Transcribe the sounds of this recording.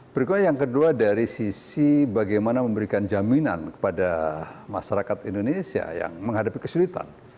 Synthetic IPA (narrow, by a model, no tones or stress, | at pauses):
pəɾikuajaŋkəduadaɾisisibaɡajmanaməmbəɾikand͡ʒamina̰nkə̥padama̰saɾakat̪indonesia̰ja̰ŋməŋɦadapikəsulit̪a̰n